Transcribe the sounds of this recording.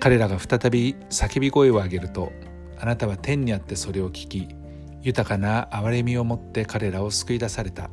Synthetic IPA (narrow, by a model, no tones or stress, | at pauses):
kaɾe̞ɾaɡaɸɯ̥t̪at̪abʲi | sakebʲiɡo̞e̞o̞aɡe̞ɾɯ̟t̪o̞ | anat̪aβ̞at̪ẽ̞ɲ̟ːiat̪ːe̞so̞ɾe̞o̞kʲi̥kʲi | jɯ̟t̪akanaːβaɾe̞mʲio̞mo̞t̪ːe̞kaɾe̞ɾao̞sɨ̥kɯ̟id̪asaɾe̞t̪a̰